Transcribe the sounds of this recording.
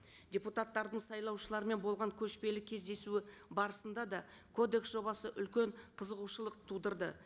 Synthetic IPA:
dʲeput̪at̪ːɑɾd̪əɴsɑjlˠɑwʃəlˠɑɾəme̞nbo̞lˠʁɑɴkʲʰɵʃpe̞lɪkʲʰːe̞zd̪e̞suɪbɑɾəsənd̪ɑd̪ɑ | kʰo̞d̪e̞ksʒo̞bɑsəʔʏlkʲe̞ɴqʰəzəʁuʃəlˠəq̚t̪ʰud̪əɾd̪ə̰

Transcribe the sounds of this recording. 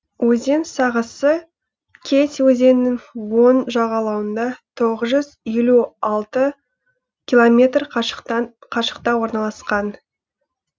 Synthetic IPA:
wɵze̞nsɑʁəsə | kʲʰe̞swɵze̞nːɪŋwo̞nʒɑʁɑlˠɑwənd̪ɑt̪ʰo̞ʁəzʒʏzje̞luɑlˠt̪ə | kʲilˠomʲe̞t̪r | qʰɑʃə̥q̚t̪ɑwo̞ɾnɑlˠɑsqɑn

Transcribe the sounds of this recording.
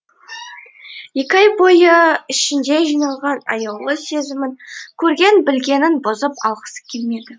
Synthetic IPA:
jekʲɑjbojəɪʃɪnd̪e̞ʒijnɑlˠʁɑnɑ̰jɑwlˠəse̞zɪmɪŋkʲʰɵɾɡʲe̞nbɪlɡʲe̞nɪnbʊzəpɑlˠʁə̥sə̥kʲʰelme̞d̪ɪ

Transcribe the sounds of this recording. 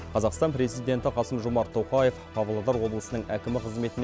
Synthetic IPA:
qʰɑzɑqst̪ɑnpɾe̞zijd̪ʲe̞nt̪ɪqʰɑsəmʒomɑɾt̪ʰːoqɑje̞fpʰɑvlˠɑd̪ɑɾwo̞blˠəsənəɴækʲɪmɪqʰəzme̞t̪ɪn

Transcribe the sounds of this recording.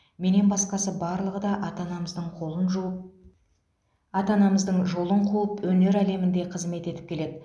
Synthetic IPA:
me̞ne̞nbɑsqɑsəbɑɾlˠəʁəd̪ɑʔɑt̪ɑnɑməzd̪əɴqʰo̞lˠənʒu | ɑt̪ɑnɑməzd̪əɴʒo̞lˠəɴqʰuləpwɵne̞ɾæle̞mɪnd̪e̞qʰəzme̞t̪e̞t̪ɪ̥pkʰʲe̞le̞d̪ɪ

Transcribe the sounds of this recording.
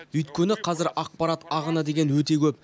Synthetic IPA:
ʏjt̪kʲe̞nɪqʰɑzɪɾʔɑq̚pɑɾat̪ɑʁənəd̪e̞ɡʲe̞nwɵt̪e̞kʲʰɵp̚

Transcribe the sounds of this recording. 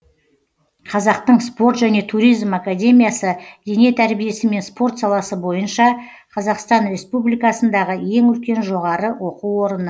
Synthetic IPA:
qʰɑzɑq̚t̪əɴspo̞ɾt̪ʒæne̞t̪ʰuɾijzmakad̪ʲe̞mʲijasəd̪e̞ne̞t̪ʰæɾbije̞sɪme̞nspo̞rt̪sɑlˠɑsəbo̞jənʃɑ | qʰɑzɑqst̪ɑnɾe̞spublijkɑsənd̪ɑʁəje̞ŋɵlkʲe̞nʒo̞ʁɑɾəwo̞quwwo̞ɾənə

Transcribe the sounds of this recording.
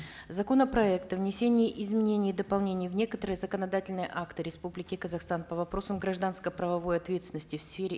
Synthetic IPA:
zɐko̞nəpɾɐɛkt̪əvnʲɪsʲenʲɪjəʔɪzmʲɪnʲenʲɪjd̪əpɐlˠnʲenʲɪjəvnʲe̞kət̪əɾɨjəzəkənɐd̪atʲɪlʲnəjəʔakt̪ɨɾʲɪspublʲɪkʲɪkəzɐxst̪anpəvɐpɾo̞səmɡɾɐʐd̪anskəpɾəvɐvo̞jɐt̪vʲet̪sʲɪnəsʲtʲɪfsfʲeɾʲɪ

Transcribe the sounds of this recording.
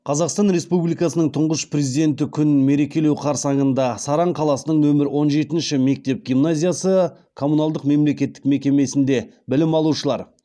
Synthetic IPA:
qʰɑzɑqst̪ɑnɾe̞spublijkɑsənəɴt̪ʰʊɴʁəsprezid̪e̞nt̪ɪkʲʰʏnme̞ɾe̞kʲe̞lewqʰɑɾsɑɴənd̪ɑsɑɾɑɴqʰɑlˠɑsənəɴwɵmɪɾɪwo̞nʒe̞t̪ɪnʃɪme̞k̚t̪e̞p̚ɡʲijmnazʲijasə | kʰo̞munalˠd̪əqme̞mle̞kʲe̞t̪ːɪ̥kme̞kʲe̞me̞sɪnd̪e̞ | bɪlɪmɑlˠuʃəlˠɑ̰ɾ

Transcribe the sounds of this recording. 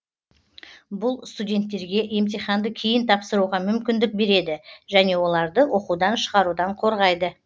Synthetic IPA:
bʊlˠst̪udʲe̞nt̪ːe̞ɾɡʲe̞ʔe̞mt̪eχɑnd̪əkʲʰejɪnt̪ʰɑpsəɾuʁɑmʏmkʲɪnd̪ɪk̚be̞ɾe̞d̪ɪʒæne̞wo̞lˠɑɾd̪əwʔo̞qud̪ɑnʃə̥ʁɑɾud̪ɑɴqʰo̞ɾʁɑjd̪ə

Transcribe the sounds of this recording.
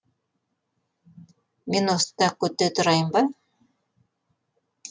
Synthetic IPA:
menost̪t̪ɑkʉt̪ːet̪ŏɾɑjɤmbɑ

